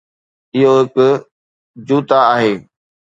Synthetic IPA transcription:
ɪɦoɦɪkʊ | d͡ʑuːt̪aaːɦeː

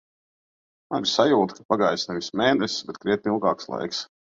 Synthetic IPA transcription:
mabʲsajuːt̪kʰapaɡajsnɛvismɛːnɛsbɛt̪̚kɾiɛt̪̚ʲnʲilˠɡɑːkslˠa̰jks

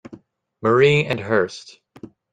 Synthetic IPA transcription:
mə˞iɨ̃nɦɜ˞st

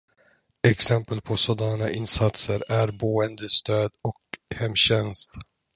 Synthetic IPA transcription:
ɛksɛmpəlpʰɔsɔd̪ɑːɳaʔɪnsat̪səɾæɾboːənd̪əst̪øːd̪ɔkhɛmːɕɛnst̪

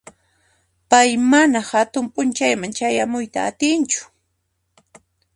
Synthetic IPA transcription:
pajmanahat̪ʊmpʼʊnt͡ʃajmant͡ʃajamʊjt̪a̰ːt̪ɪnt͡ʃʊ̥

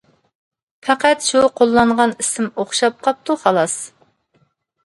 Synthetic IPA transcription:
pʰæqæt̪ʃuqʰolˠːɑɴʁɑnisɪmoχʃɑp̚qʰɑp̚t̪uχɑlˠɑs

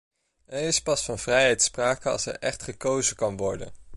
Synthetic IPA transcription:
ɛɹɪspɑsfɑnv̥rɛjɦɛjtspraːkəɑ̰lˠsɛ̰ɹʔɛχtχəkowzəkɑnʋɔɹdə̰n

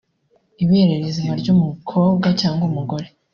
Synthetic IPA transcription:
iβeɾeɾezimaɾɟumukʰo̞ːbɡacaːŋɡumuɡo̞ɾe

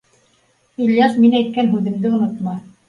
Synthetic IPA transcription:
ilʲjɑsminæjt̪̚kænɦʉðɘ̆md̪ɘŏnŏt̪mɑ

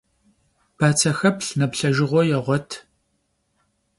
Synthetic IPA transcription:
b̥aːt͡sʰɐxɐpɬnɐpɬɐʒɪʁʷɔjɛʁʷɔtʰ

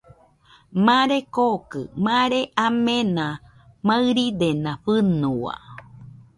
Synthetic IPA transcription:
mãɾekokɨ̰mãɾeʔamẽnã | maɨɾid̪enãɸɨnua̰

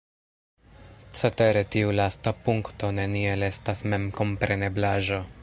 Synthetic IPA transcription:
t͡sete̞ɾe̞tiulastapuŋkto̞ne̞nie̞lestasme̞mko̞mpɾe̞ne̞blaʒo

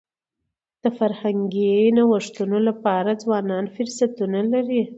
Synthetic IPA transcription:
d̪̥əfaɾhaŋɡinawəʂt̪unolapɑɾad͡zwɑnɑnfʊɾsat̪unalaɾi

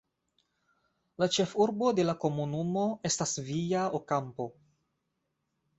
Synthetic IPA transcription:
lat͡ʃe̞fuɾbo̞de̞lako̞munumo̞e̞stasvijaokampo̞

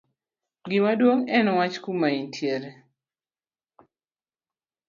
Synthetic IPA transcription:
ɡɪmadwoŋɛnɔwat͡ʃkumaintʰjeɾe

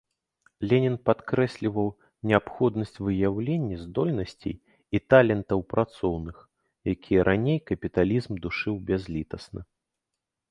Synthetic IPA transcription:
lʲenʲɛnpat̪kɾɛsʲlʲivɐw | nʲɛapxɔd̪nɐsʲt͡sʲvɨjawlʲenʲːɐzʲd̪ɔlʲnɐsʲt͡sʲḛj | it̪alʲɛnt̪ɐwpɾʔat̪sɔwnɨx | jakʲʰijɐɾʔanʲejkɐpʲit̪alʲizmd̪uʂɨwbʲazʲlʲit̪ɐsnɐ̰

